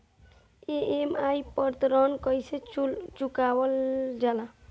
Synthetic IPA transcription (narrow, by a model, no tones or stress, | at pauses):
eemajpəɾt̪ɾɔnkʌjset͡ʃukawəld͡ʒala